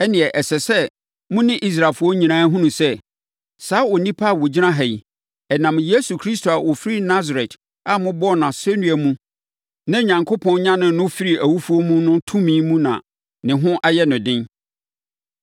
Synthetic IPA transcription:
ɛ˦nɪ̃˨ɛ˨ʔɛ˨sɛ˨sɛ˦ | mʊ̃˦nɪ̃˦ʔi˦s̬ɾa˨fʊ˦ɔ˦ɲĩ˨nãː˦ɦʊ̃˦nũ˨sɛ˦ | saː˨˦ɔ˨nĩ˦pʰa˦˨wɔ˨d͡ʑi˦nã˦ɦɛ˨i˨ | ɛ˨nã˨mje˦su˨kʰɾi˦stʰo˨a˨wʔɔ˨fɾi˦na˦za˨ɾɛ˨t | a˦mʊ̃˦bɔ˦˨nã˨sɛ˦nũ˦æ˨mũ˦ | nã˦ɲã˨ŋkʰo˦pʰɔ̃˦nɲã˦nʊ̃˨˦nʊ̃˦fi˦ɾi˨ʔæ˨wu˦fu˦o˦mũ˦nʊ̃˦tʰũ˦mĩ˦mũ˦nã̰˨ | nɪ̃˨ɦʊ̃˦ʔa˦jɛ˦nʊ̃˨dɪ̃˦n

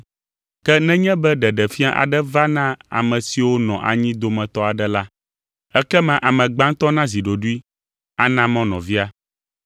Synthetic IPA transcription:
kɛ˦nɛ̃˦ɲɛ̃˦bɛ˦ɖɛ˨ɖɛ˨fi˦a˦ʔa̰˨ɖɛ˦va˦nã˦a̰˨mɛ̃˨si˨wo˦nɔ̃˨ʔa̰˨ɲĩ˦d̪o˨mɛ̃˨t̪ɔ˦a˨ɖɛ˦la˦ | ɛ˦kɛ˦mã˨ʔa˨mɛ̃˨ɡ͡bã˦ŋ˦t̪ɔ˦nã˦zi˨ɖo˨ɖu˦i˦ | a˦nã˦mɔ̃˦nɔ̃˨vi˦a˦

